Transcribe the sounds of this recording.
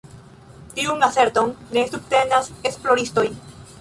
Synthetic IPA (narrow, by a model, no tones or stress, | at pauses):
t̪iuŋase̞ɾt̪oŋne̞subt̪e̞nasesplo̞ɾist̪o̞j